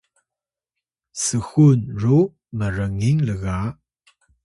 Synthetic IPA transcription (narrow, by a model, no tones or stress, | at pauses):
səxunru | məɾəŋiŋləɣa